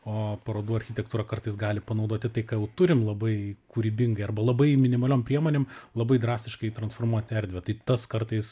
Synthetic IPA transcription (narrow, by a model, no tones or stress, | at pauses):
oːpɐɾoːd̪uːɐrʲxʲɪt̪ʲɛkt̪uːɾɐkɐrt̪ɐɪsɡɑːlʲɪpɐnɒʊd̪oɔt̪ʲɪt̪ɐɪkaːjɛʊt̪ʊɾʲɪmlˠɐbɐɪkʊɾʲiːbʲɪŋɡɐɪɐrbɐlˠɐbɐɪmʲɪnʲɪmɐlʲoːmpʲɾʲiɛmoːnʲeːmlˠɐbɐɪd̪ɾɑːsʲt̪ʲɪʃkɐɪt̪ɾɐnsfoːrmuɔt̪ʲɪɛɾʲd̪ʲʋʲɛt̪ɐɪt̪ɐskɐrt̪ɐɪs